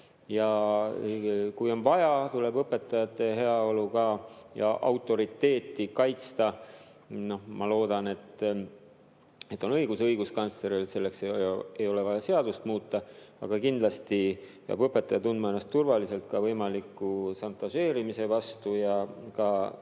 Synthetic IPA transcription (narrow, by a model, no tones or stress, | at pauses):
jɑ | kujo̞nvɑjɑt̪ule̞bɤpːˑe̞t̪ːˑɑjɑt̪ːˑe̞ɦe̞ɑo̞lukɑjɑ̰ʔɑwt̪ːˑo̞ɾit̪ːe̞ːt̪ˑːikɑjt̪st̪ɑ | no̞hmɑlo̞ːd̪̥ɑne̞t̪ːˑ | et̪ːˑo̞nɤ̞jɡ̥usɤjɡ̥uskɑnsle̞ɾilse̞lːe̞ksee̞jo̞le̞vɑjɑse̞ɑd̪̥ust̪muːt̪ːˑɑɑ̰ɡ̥ɑkind̪̥lɑst̪ijɑ̰bɤpːˑe̞t̪ːˑɑjɑt̪und̪mɑe̞nːɑst̪ːurvɑlise̞lt̪̚kɑvɤjmɑlikːˑusɑnt̪ːˑɑʃe̞ːɾimise̞vɑst̪ujɑkɑ